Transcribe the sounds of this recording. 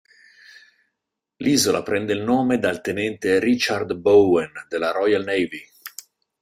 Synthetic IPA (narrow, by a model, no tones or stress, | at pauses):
lʔiːzolʔa̰pɾɛnd̪eilnoːmed̪alt̪enɛnt̪eɾit͡ʃard̪bowɛnd̪elːaɾɔjalnejvi